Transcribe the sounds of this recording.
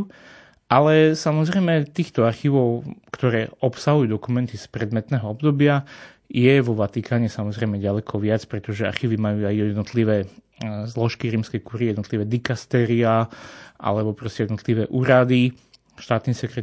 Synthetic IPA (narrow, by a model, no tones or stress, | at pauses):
ʔalɛsamɔzɾɛjmɛt̪iːxt̪ɔaɾxiʋɔʊkt̪ɔɾɛːɔpsaɦujuːd̪ɔkumɛnt̪ispɾɛd̪mɛt̪nɛːɦɔɔbd̪ɔbɪa | jɛʋɔʋat̪ikʰaːɲɛsamɔzɾɛɪmɛɟalɛkʰɔʋɪat͡spɾɛt̪ɔʒɛa̰ɾxiːʋimajuːajɛd̪nɔt̪liʋɛː | zlɔʃkiɾiːmskɛjkuɾijɛd̪nɔt̪liʋɛːd̪ikast̪ɛːɾiaːʔa̰lɛbɔpɾɔscɛjɛd̪nɔt̪liʋɛːʔuːɾad̪i | ʃt̪aːt̪niːsɛkɾɛ